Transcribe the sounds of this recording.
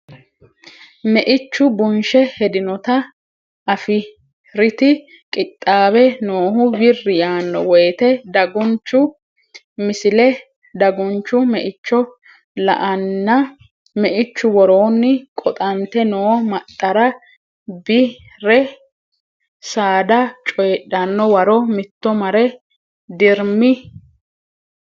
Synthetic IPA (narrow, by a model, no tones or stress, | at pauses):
mɛʔɪt͡ʃːʊbʊnʃɛhɛd̪ɪnɔt̪ɐ | ɐfɪ | ɾɪt̪ɪ | kʼɪt̪ʼːaːbɛnoːɦʊbɪrːɪjaːnːɔwɔjt̪ɛd̪ɐɡɔnt͡ʃːʊ | mɪsɪlɛ | d̪ɐɡʊnt͡ʃːʊmɛʔɪt͡ʃːɔ | lɐ̰ʔɐnːɐ | mɛʔɪt͡ʃːʊwɔɾo̞ːnːɪkʼɔt̪ʼɐnt̪ɛnoːmɐt̪ʼːɐɾɐ | bɪ | ɾɛ | saːd̪ɐt͡ʃʼɔjɛɗɐnːɔwɐɾɔmɪt̪ːɔmɐɾɛ | d̪ɪɾmɪ